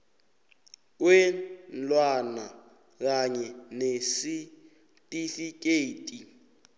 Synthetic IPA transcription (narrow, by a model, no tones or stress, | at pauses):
kwen̩lwana | ɣaɲɛnesɪ | tʼifikʼeitʼi